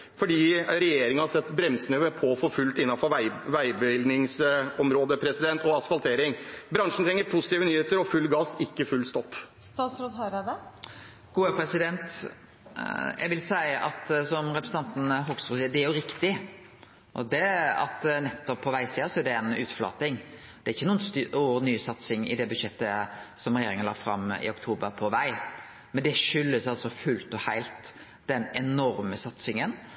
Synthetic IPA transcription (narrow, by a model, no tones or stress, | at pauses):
fɔɖiːɾɛjeːɾɪŋənhɑsɛt̪ːbɾɛmsənəʋəpʰɔfɔɾfʉlt̪ɪnːɑfɔʋæɪbəʋɪld̪nɪŋsɔmɾoːd̪əpʰɾɛsɪd̪ɛnt̪ɔɑsfɑlt̪ʰeːɾɪŋbɾɑŋʂn̩t̪ʰɾɛŋːəɾpʰʊsɪt̪iːʋənyːheːt̪əɾɔfʉlːɡɑːsɪkːəfʉlːst̪ɔpː | st̪ɑːt̪sɾoːd̪ɦɑɾəd̪ɛ | ɡ̥uːəpʰɾɛsɪd̪ɛnt̪ | jʔɛ̰ɡʋɪlsæɪʔɑt̪sɔmɾɛpɾɛsn̩ɑnt̪n̩ɦɔɡsʊsiːd̪ɛæɾjʊɾɪkt̪ɪ | ʔɔ̰d̪ɛɑ̰t̪nɛt̪ːɔpʰːɔʋæɪsiːɑsɔæɖɛɛnʉːt̪flɑ̰ːt̪ɪŋ | d̪̥ɛæɾɪçːənuːənsuːnyːsɑt̪sɪŋɪ̰d̪ɛbʉd̪ʂɛt̪ːəsɔmɾɛjeːɾɪŋənlɑ̰ːfɾɑ̰mɪ̰ɔkt̪ʰuːbəɾpʰɔʋæɪ | mɛnd̪ɛʃʏlːəsɑlsɔfʉlt̪ɔhæɪlt̪ | d̪ɛnɛnɔɾməsɑt̪sɪŋən